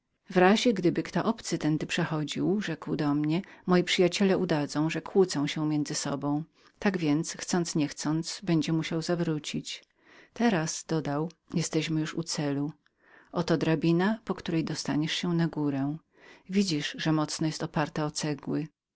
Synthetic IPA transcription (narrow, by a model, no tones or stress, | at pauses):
vɾaʑɛɡd̪ɘbɘkt̪ɔʔɔpt̪sɘt̪ɛnd̪ɘpʂɛxɔd͡ʑiwʐɛkwd̪ɔmɲɛmɔjipʂɘjat͡ɕɛlɛud̪ad̪zɔ̃w̃ʐɛkʰwut̪sɔ̃w̃ɕɛ̃mʲjɛnd̪zɘsɔbɔ̃w̃ | t̪aɡvʲjɛnt̪sxt̪sɔnt̪sɲɛxt̪sɔnt̪sbɛɲd͡ʑɛmuɕawzavɾut͡ɕit͡ɕ | t̪ɛɾaz̥d̪̥ɔd̪awjɛst̪ɛɕmɘjuʂṵt̪sɛlu | ʔɔt̪ɔd̪ɾabʲinapɔkt̪uɾɛjd̪ɔst̪aɲɛʂɕɛnaɡuɾɛ | vʲid͡ʑiʂʐɛmɔt̪snɔjɛst̪ɔpaɾt̪ɛɔt̪sɛɡwɘ